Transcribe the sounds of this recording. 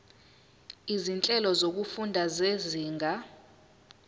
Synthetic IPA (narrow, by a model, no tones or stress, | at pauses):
izint͡ɬʼɛlɔzok̬ufundʱazeziːŋɡʱa